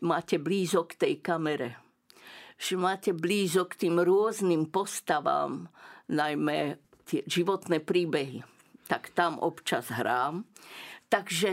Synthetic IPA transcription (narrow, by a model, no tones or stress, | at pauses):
maːcɛbliːzɔkt̪ɛjkamɛɾɛ | ʒ̥ɛmaːcɛbliːzɔkt̪iːmɾʊɔznimpɔst̪aʋa̰ːmnajmɛ | t̪ɪɛʒiʋɔt̪nɛːpɾiːbɛɦi | t̪akt̪amʔɔ̰pt͡ʃazɦɾaːmt̪aɡʒɛ